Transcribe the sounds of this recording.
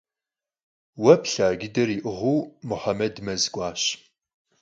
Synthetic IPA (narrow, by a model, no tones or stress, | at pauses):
wɐpɬaːɡʲɪdɐriːʔɨʁʷuːmʊħamɐdmɐzɡʷɑːɕ